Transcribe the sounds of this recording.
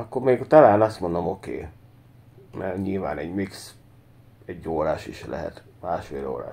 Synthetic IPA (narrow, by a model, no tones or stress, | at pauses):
ɒkːormeːɡt̪ɒlaːnɒst̪mo̞nd̪o̞mo̞kḛː | mɛrɲilva̰ːnɛɟmiks | ɛɟːoːɾaːʃiʃlɛ̰ɦɛ̰t̪maːʃfeːlo̰ːɾa̰ː